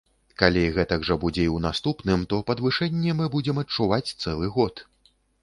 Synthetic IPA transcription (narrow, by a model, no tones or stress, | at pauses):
kalʲiɣɛt̪ɐɡʐɐbud͡zʲɛiwnast̪upnɨmt̪ɔpɐd̪vɨʂɛnʲːɛmɨbud͡zʲɛmɐt͡ʂuvat͡sʲt̪sɛlˠɨɣɔt̪